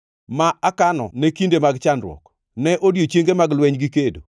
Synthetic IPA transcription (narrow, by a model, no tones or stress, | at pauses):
maakanɔ̰nɛkindemaɡt͡ʃanɾwɔ̰k | nɛʔodjot͡ʃjeŋɡemaɡlwɛɲɡikedo̰